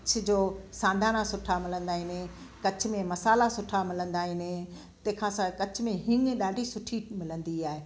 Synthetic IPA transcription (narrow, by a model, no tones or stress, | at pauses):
t͡ɕʰʊd͡ʑoːsãːnd̪ʱaːnasʊʈʰamɪlə̃nd̪aːɦɪnẽ | kɐt͡ɕʰʊ̆mẽmɐsaːlasʊʈʰamɪlə̃nd̪aːɦɪnẽ | t̪ɐ̃ːkʰãsãkɐt͡ɕʰʊmẽɦɪnɗaːɖʱisʊʈʰimɪlə̃nd̪iaːɦeː